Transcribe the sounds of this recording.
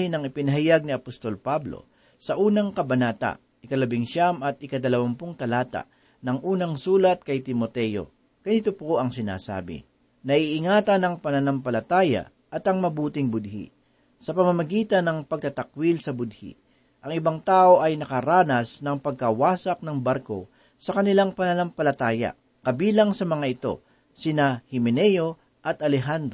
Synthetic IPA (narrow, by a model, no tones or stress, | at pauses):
hɪnɐŋɪpɪnɐɦajaɡ̚niɐpost̪o̞lpablo̰ | sɐʔuːnɐŋkɐbɐnaːt̪ɐ̰ | ʔɪkɐlɐbɪŋʃamʔɐt̪̚ɪkɐd̪ɐlɐwɐmpʊŋt̪ɐlaːt̪ɐ̰ʔ | nɐŋʔuːnɐŋsuːlɐt̪̚kɐjt̪ɪmot̪ɛjo̞̰ | ɡ̥ɐnit̪opoʔɐŋsɪna̰ːsa̰ːbɪ̰ | nɐʔiʔɪŋaːt̪ɐnɐŋpɐnɐnampɐlɐt̪aːja̰ | ʔɐt̪ɐŋmɐbuːt̪ɪŋbʊd̪̚hḭ | sɐpɐmɐmɐɡiːt̪ɐnɐŋpɐɡ̚t̪ɐt̪ɐk̚wilsɐbʊd̪̚hḭ | ʔɐŋɪbaŋt̪aːʔo̞ʔɐjnɐkɐɾaːnɐsnɐŋpɐɡ̚kɐwaːsɐk̚nɐŋbaɾko̞̰ | sɐkɐnɪlaŋpɐnɐnampɐlɐt̪aːjɐ̰ | kɐbiːlɐŋsɐmɐŋaʔɪt̪o̞̰ | sɪnahɪmɛnɛjo̞ | ʔɐt̪ʔɐlɛɦand̪ɾo